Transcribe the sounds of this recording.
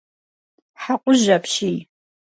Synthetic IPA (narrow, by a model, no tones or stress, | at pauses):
ħaqʷʼʊʒapʰʃij